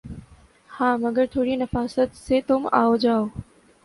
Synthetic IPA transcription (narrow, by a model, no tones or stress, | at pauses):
hãːmɐɡəɾt̪ʰoːɽinɐfaːsət̪set̪ʊmaːod͡ʒaːoː